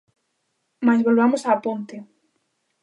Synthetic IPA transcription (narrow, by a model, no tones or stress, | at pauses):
mazβolβamosaːpont̪e